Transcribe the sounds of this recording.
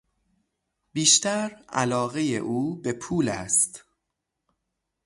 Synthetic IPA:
b̥iːʃt̪æɾʔæ̰lɒːɣejḛʔuːbe̞pʰuːlæst̪

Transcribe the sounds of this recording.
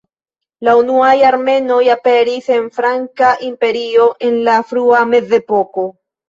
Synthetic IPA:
launuajaɾme̞no̞jape̞ɾise̞nfɾaŋkaʔimpe̞ɾio̞ʔe̞nlafɾuame̞ze̞po̞ko̞

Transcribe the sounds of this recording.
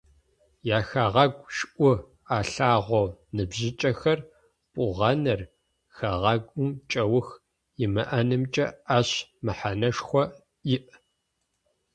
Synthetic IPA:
jaːxaːʁɐɡʷʼʃʔʷʊ | aːɬaːʁʷonɨbʑɪt͡ʃʼɐxɐr | pʷʼʊʁɐnɐr | xaʁɐɡʷʊmt͡ʃʼɐwʊx | jɪmɐʔɐnɨmt͡ʃʼɐaɕmɨħanɐʂxʷɔ | jɪʔ

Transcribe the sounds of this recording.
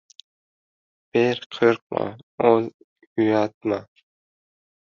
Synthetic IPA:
b̥eɾqʰɨɾq̚mɑ̰ol | yjɑt̪̚mɑ

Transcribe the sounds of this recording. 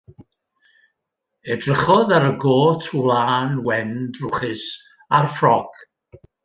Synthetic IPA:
ɛdrəχɔðaɾəɡoːtʰlˠaːnwɛndrʊχɪs | arfrɔɡ̥

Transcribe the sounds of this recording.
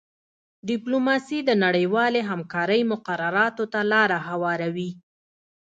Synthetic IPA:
ɖɪplomɑsid̪ənaɽəjwɑleɦamkɑɾəjmʊqaɾaɾɑt̪ot̪alɑɾahawɑɾawi

